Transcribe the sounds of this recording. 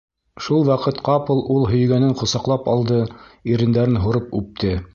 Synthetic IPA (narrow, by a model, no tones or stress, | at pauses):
ʃulˠwɑqɤt̪qɑpɤlˠulˠɦɵ̆jɡænɘɴqŏsɑqlˠɑpɑ̰lˠd̪ɤiɾɘ̆nd̪æɾɘnɦuɾɤpʉp̚t̪ɘ